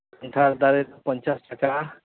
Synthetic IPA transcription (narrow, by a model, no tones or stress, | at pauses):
ɔnʈʰaɾd̪aɾeɾpɔnt͡ʃasʈaka